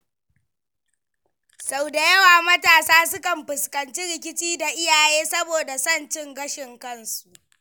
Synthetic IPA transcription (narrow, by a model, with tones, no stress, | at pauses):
sa˨wda˨jɐ˦waː˨mɐ˦taː˨saː˦sʊ˦kɐ˨mɸɪ˨skɐ˨nt͡ʃi˦ɽɪ˨kʲɪ˦t͡ʃiː˦da˨ʔɪ˦jaː˨jeː˦sɐ˦boː˨da˨sɐ˦˨nt͡ʃɪ˦ŋɡɐ˦ʃɪ˨ŋkɐ˦nsu˨ʔ